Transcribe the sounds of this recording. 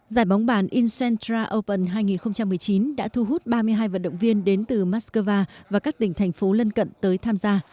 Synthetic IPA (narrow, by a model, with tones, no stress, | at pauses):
zaː˧˩jɓa˨˦wŋ͡mɓaː˧˩nʔi˧nsɛ˧nt̪ɾaː˧ʔə˧wpə˨˩nɦaː˧jŋi˨˩nxə˧wŋ͡mt͡ɕa˧mːɨ˨˩əjt͡ɕi˨˦nɗa̰ː˧˥t̪ʰu˧ɦu˦˥t̚ɓaː˧mɨ˧əjɦaː˧jvə̰˧˨nɗə̰˧˨wŋ͡mvi˧ənɗe˨˦nt̪ɨ˨˩maː˦˥t̚kəː˧vaː˧vaː˨˩kaː˦˥k̚t̪ï˨˩ŋ̟t̪ʰɛ˨˩jŋ̟fo˨˦lə˧nkə̰˧˨nt̪əː˨˦jt̪ʰaː˧mzaː˧